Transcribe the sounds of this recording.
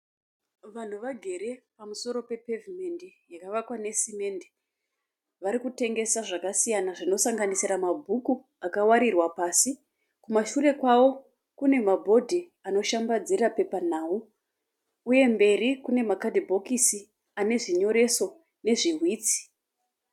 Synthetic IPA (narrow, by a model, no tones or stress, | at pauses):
ʋan̤uʋaɡʱe̞ɾe̞pamuso̞ɾo̞pe̞pevime̞ndijakaʋakwane̞sime̞nde | ʋaɾikute̞ŋɡe̞saʐakasijanaʐino̞saŋɡanisiɾamabʱuku | akawaɾirwapasi | kumaʃure̞kwaʋo̞ | kune̞mabʱo̞dʱi | ano̞ʃambad͡zirape̞pan̤aːu | uje̞mbe̞rikune̞makadibʱo̞kisi | ane̞ʐiɲo̞ɾe̞so̞ | ne̞ʐiɦwiːt͡si̥